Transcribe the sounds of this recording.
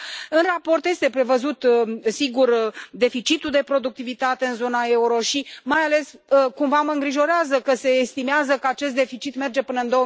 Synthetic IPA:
ɨnrapo̞rt̪je̞st̪e̞pɾe̞vəzut̪siɡurd̪e̞fit͡ʃit̪uld̪e̞pɾo̞d̪uk̚t̪ivit̪at̪e̞ɨnzo̞nae̞uɾo̞ʃimajale̞skumvaməɨŋɡɾiʒo̞ɾeazəkəse̞ːst̪imeazəkəat͡ʃe̞st̪d̪e̞fit͡ʃit̪me̞rd͡ʒe̞pɨnəɨnd̪o̞ə

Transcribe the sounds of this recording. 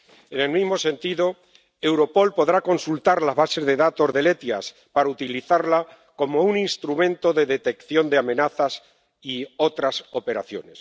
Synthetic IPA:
enelmizmo̞se̞nt̪iðo̞ | ewɾo̞po̞lpo̞ðɾako̞nsult̪aɾlazβase̞zðe̞ðat̪o̞zðe̞le̞t̪ja̰s | paɾaut̪iliθaɾla | ko̞mouninst̪ɾumẽnt̪o̞ðe̞ðe̞t̪e̞kθjo̞nd̪eamẽ̞naθas | io̞t̪ɾaso̞pe̞ɾaθjo̞̰ne̞s

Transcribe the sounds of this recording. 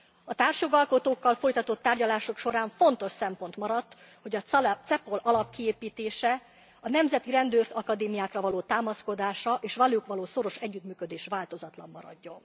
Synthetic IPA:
ɒt̪aːrʃjo̞ɡɒlko̞t̪oːkːɒlfo̞jt̪ɒt̪ot̪ːaːrɟɒlaːʃokʃo̞ɾaːɱfo̞nt̪o̞ʃsɛmpo̞nt̪mɒɾɒt̪ː | ho̞ɟɒt̪sɛpo̞lɒlɒpkieːpiːt̪eːʃɛ | ɒnɛmzɛt̪iɾɛnd̪øːrɒkɒd̪eːmijaːkrɒvɒloːt̪aːmɒsko̞d̪aːʃɒʔeːʃʋɒloːkʋɒloːso̞ɾo̞ʃɛɟːyt̪myːkød̪eːʃvaːlt̪o̞zɒt̪lɒmːɒ̰ɾɒ̰ɟːo̞n

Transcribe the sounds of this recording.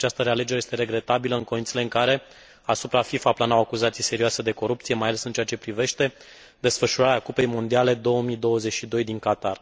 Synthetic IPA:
at͡ʃast̪əɾe̞ale̞d͡ʒeɾje̞st̪eɾe̞ɡɾe̞t̪abiləɨŋko̞int̪sile̞ɨŋkaɾe̞ | asupɾafifaplanawakuzat̪sijse̞ɾiuase̞d̪e̞ko̞ɾup̚t̪sije̞majale̞sɨnt͡ʃe̞at͡ʃe̞pɾive̞ʃt̪e̞ | d̪e̞sfəʃuɾaɾeakupe̞jmo̞nd̪iale̞d̪o̞wəmid̪o̞wəze̞t͡ʃʲʃid̪o̞jd̪iŋkat̪ar

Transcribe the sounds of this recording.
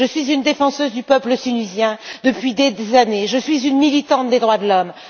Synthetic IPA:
ʒəsɥizynd̪efɑ̃søzd̪ypœpləsynyzjɛ̃d̪əpɥid̪ezaneʒəsɥizynmilit̪ɑ̃t̪̚d̪ed̪ʁwad̪əlɔm

